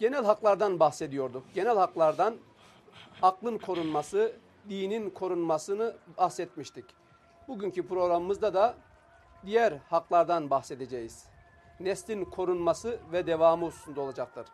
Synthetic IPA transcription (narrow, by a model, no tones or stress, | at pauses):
ɟ̥e̞nælʲɦaklˠaɾd̪anbaxse̞d̪ijo̞ɾd̪ukɟe̞nælʲhaklˠaɾd̪an | aklˠɯnkʰo̞ɾunmasɯ | d̪iːninkʰo̞ɾunmasɯnɯbahsɛt̪̚miʃt̪ʰic | buɟyncipɾo̞ɣɾamɯmɯzd̪ad̪a | d̪ijæɾhaklˠaɾd̪anbaxse̞d̪e̞d͡ʒejiz̥ | nɛslʲinkʰo̞ɾunmasɯvɛd̪evaːmɯusu̥sund̪ao̞lˠad͡ʒak̚t̪ʰɯɾ̥